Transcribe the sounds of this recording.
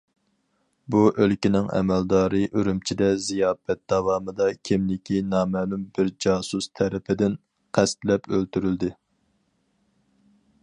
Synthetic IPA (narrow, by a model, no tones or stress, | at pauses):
buʔølkʲinɪŋɛ̰mɛld̪ɑːɾɨʔøɾymt͡ʃʰid̪ɛzijɑːpɛt̪̚d̪ɑwɑːmɨd̪ɑkʲʰimlɪkʲʰinɑːmɛːlumbɪɾd͡ʒɑːsust̪ʰɛɾɪpʰɪd̪ɪn | qʰæst̪lɛpølt̪yɾyld̪ɪ